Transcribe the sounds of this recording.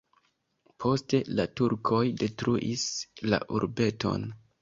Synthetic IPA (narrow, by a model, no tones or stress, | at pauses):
pʰo̞ste̞latuɾkʰo̞jde̞tɾuʔisla̰ʔuɾbe̞to̞̰n